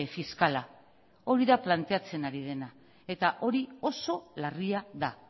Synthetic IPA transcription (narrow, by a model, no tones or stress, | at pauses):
efiskala | o̞ɾiðaplant̪e̞at͡se̞naɾiðe̞na | e̞t̪aʔo̞ɾio̞so̞lariaða